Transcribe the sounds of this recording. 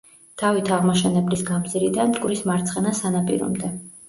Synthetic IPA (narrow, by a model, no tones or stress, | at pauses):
d̪̥ʰavit̪ʰaʁmaʃɛnɛblisɡamziɾid̪ankʼɾismaɾt̪sʰχɛnasanapʼḭɾɔ̰md̪ɛ